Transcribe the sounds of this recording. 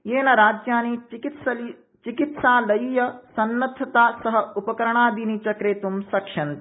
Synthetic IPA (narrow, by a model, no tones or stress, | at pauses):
jeːnɐɾaːd͡ʒjaːnikit̪sɐli | t͡ʃikit̪saːlɐjjɐsɐnːɐt̪ʰːɐt̪aːsɐɦɐupɐkɐɾɐɳ̃aːd̪init͡ʃɐkɾeːt̪umsɐkʂɐnt̪i